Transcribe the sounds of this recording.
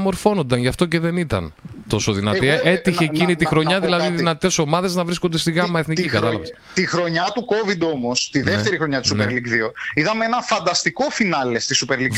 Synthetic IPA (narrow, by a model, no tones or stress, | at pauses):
mo̞ɾfo̞no̞nd̪ɐnʝɐft̪o̞ce̞ðe̞nit̪ɐ̰n | t̪o̞soðinɐt̪ie̞t̪içeːcinit̪ixɾoɲɐðilɐðiðinɐt̪e̞so̞mɐðe̞znɐvɾisko̞nd̪est̪iɣɐmɐeθnicikɐt̪ɐlɐvɐs | t̪ixɾo̞ɲɐt̪uko̞vid̪o̞mo̞st̪iðeft̪e̞ɾixɾo̞ɲɐt̪isupeɾlikðioiðɐmee̞nɐfɐnd̪ɐst̪iko̞finɐle̞st̪isupeɾlik